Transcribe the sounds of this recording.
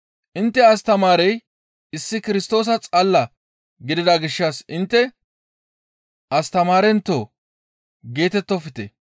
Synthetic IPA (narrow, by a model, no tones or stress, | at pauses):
ʔɪnt̪ːɛɐs̬t̪ɐmaːɾɛj | ɪsːɪkɪɾɪst̪o̞ːs̬ɐt͡sʼɐlːɐ | ɡɪd̪ɪd̪aɡɪʃːasɪnt̪ːɛ | ɐst̪ɐmaːɾɛnt̪ːo̰ː | ɡe̞ːt̪ɛt̪ːɔfɪt̪ɛ